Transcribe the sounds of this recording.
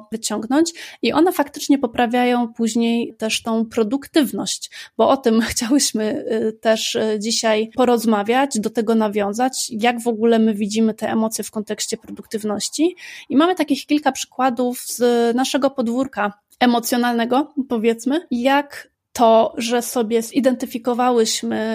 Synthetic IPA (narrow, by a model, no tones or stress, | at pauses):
vɘt͡ɕɔŋɡnɔɲt͡ɕiʔɔn̪ɛfakt̪ɘ̥t͡ʂɲɛpɔpɾavʲjajɔ̃w̃puʑɲejt̪ɛʂt̪ɔ̃w̃pɾɔd̪ukt̪ɘvnɔɕt͡ɕbɔɔt̪ɘmxt͡ɕawɘɕmɘt̪ɛʂd͡ʑiɕajpɔɾɔzmavʲjad͡ʑd̪ɔt̪ɛɡɔnavʲjɔ̃w̃zat͡ɕjaɡvɔɡulɛmɘvʲid͡ʑimɘt̪ɛʔɛmɔt̪sʲjɛfkɔnt̪ɛkɕt͡ɕɛpɾɔd̪ukt̪ɘvnɔɕt͡ɕiimamɘt̪akʲixkʲilkapʂɘ̥kwad̪ufz̥naʂɛɡɔpɔd̪vuɾka | ɛmɔt̪sʲjɔnalnɛɡɔpɔvʲjɛt̪smɘjak | t̪ʰɔʐɛsɔbʲjɛz̥id̪ɛnt̪ɘfʲikɔvawɘɕmɘ